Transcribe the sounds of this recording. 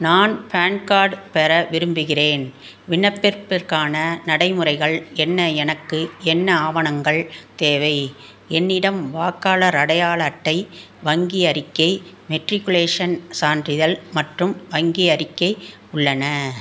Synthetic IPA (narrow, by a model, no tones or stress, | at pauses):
naːnpaːnkaːɾɖpɛɾɐʋɪɾɯmbɯɣɪreːn | ʋɪɳːɐpːɛɾpɪrkaːnɐnɐɽɐɪmɯrɐɪɣɐɭɛnːɐɛnɐkːɯɛnːɐaːʋɐnɐŋɡɐɭt̪eːʋɐɪ | ɛnːɪɽɐmʋaːkːaːlɐɾɐɽɐjaːɭɐːʈːɐɪ | ʋɐŋɡiɐɾɪkːɐɪ | mɛʈɾɪkːʊleːʂɐnsaːndrɪðɐlmɐʈrɯmʋɐŋɡiɐɾɪkːɐɪ | ʊɭːɐnɐ